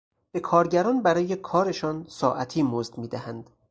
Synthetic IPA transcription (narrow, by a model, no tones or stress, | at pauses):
b̥e̞kʰɒːɾɟæɾɒːnbæɾɒːje̞kʰɒːɾe̞ʃɒnsɒːʔæt̪ʰiːmozd̪miːd̪æhænd̪̥